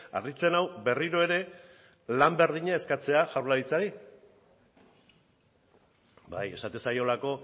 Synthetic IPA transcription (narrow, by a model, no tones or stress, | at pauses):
a̰rðit͡se̞nawbe̞riɾo̞e̞ɾe̞ | lambe̞ɾð̞iɲae̞skat͡se̞aʝawɾlaɾit͡saɾi | ba̰je̞̰sat̪esajo̞lako̞